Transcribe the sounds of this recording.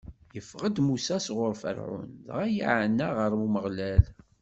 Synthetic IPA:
jəfʁəd̪musæsʁʊɾfə̰ɾʕʊ̰nðʁæjḭʕənːæʁəɾmuməʁlæl

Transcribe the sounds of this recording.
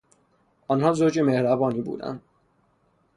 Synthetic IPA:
ʔɒnhɒːzoːd͡ʒeme̞hɾæbɒːniːbṵːd̪æ̰nd̪̥

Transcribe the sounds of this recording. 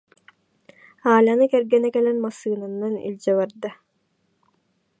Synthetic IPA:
aːlʲanɯkɛɾɡɛnɛkɛlɛnmasɯːnanːanḭlʲd͡ʑɛbaɾd̪a

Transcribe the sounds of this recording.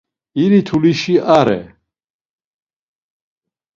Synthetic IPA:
iɾit̪ʰuliʃiaɾɛ̰

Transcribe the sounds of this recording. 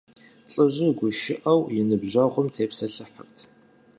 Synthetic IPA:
t͡sʼɨʑɪɡʷʊʃɪʔɐwjɪnɨbʑɐʁʷʊmtʰeːpsɐɬɨħə̰ktʰ

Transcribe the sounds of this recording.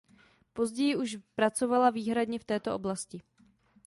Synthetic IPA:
po̞zɟɛjɪʔuʃpɾat͡so̞valaviːɦɾadɲɛft̪ɛːt̪o̞ʔo̞blascɪ

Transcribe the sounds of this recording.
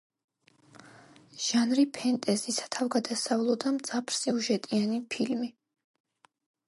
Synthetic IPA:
ʒ̥anɾipʰɛnt̪ʼɛzisḁt̪ʰavɡad̪asavlˠɔd̪amd̪z̥apʰɾsiuʒɛt̪ʼianipʰilmi

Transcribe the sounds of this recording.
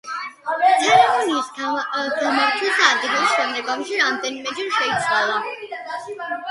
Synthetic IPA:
t̪ʰɛɾɛmɔniːsɡamaɾt̪ʰwɛsaad̪iχisʃɛmlɛɡamʃiɾamd̪ɛnimɛd͡ʒɛnʃɛit̪sʰwalˠa

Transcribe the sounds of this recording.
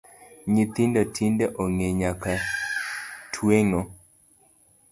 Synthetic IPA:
ɲit̪indɔtʰindeʔoŋeɲaka | tʰweŋo

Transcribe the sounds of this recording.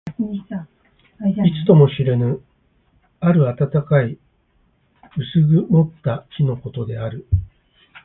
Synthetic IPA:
it͡sɨ̥t̪o̞mo̞ɕiɾe̞nɯ | aɾɯ̟at̪at̪akai | ɯ̟sɨɡɯ̟mo̞t̪ːaçino̞ko̞t̪o̞d̪e̞aɾɯ̟

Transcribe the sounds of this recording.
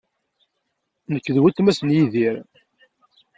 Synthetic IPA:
nəkːðwæt̪mæsənjiðiɾ

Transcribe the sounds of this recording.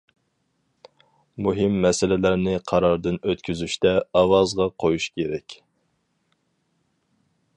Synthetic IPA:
muɦɪmːɛsɪlɪlæɾnɪqʰɑɾɑɾd̪ɨnøt̪kʲʰyzyʃt̪ɛɑwɑzʁɑqʰojuʃkʲʰeɾɛkʲ

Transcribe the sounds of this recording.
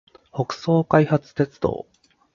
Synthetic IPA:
ho̞kɯ̟̥so̞ːkaihat͡sɨ̥t̪e̞t͡sɨ̥d̪o̰ː

